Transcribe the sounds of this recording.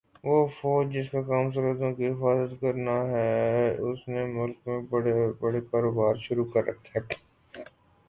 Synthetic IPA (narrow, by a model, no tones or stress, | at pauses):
ʋoːfoːd͡ʒd͡ʒɪskakaːms̬ɐɾəd̪õkiɦɪfaːzət̪kɐɾnaɦɛʊsnemʊlkmẽbɐɽebɐɽekaːɾoːbaːɾʃʊɾukɐɾːɐ̰kʰteɦɛː